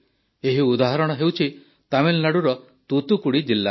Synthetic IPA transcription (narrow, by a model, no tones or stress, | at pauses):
eɦiud̪aɦaɾɔɽ̃ɔɦewt͡ʃʰi | t̪amillaɽuɾɔ | t̪ut̪ukuɽid͡ʒilːa